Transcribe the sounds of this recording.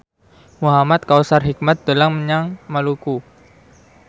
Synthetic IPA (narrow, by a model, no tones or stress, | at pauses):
muɦamat̪̚kausarɦik̚mat̪̚d̪̥əlaŋməɲaŋmaluku